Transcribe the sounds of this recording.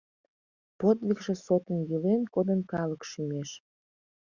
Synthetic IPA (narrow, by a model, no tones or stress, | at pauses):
pot̪likʒĕsot̪ənjilenkod̪ənkɑləkʃymeʃ